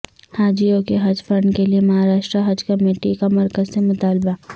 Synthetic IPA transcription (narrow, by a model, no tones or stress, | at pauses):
haːd͡ʒijõkeɦɐd͡ʒfɾɐ̃ɳɖkeliemɐɦaːɾaːʃʈɾəɦɐd͡ʒkɐmeːʈikamɐɾkəzsemʊt̪aːlba